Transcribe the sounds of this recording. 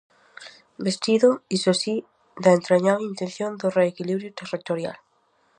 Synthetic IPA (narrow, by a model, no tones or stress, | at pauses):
best̪iðʊisosi | d̪aent̪ɾeɲaɾint̪ẽnθjond̪ʊreːkiliβɾjʊt̪erit̪oɾja̰l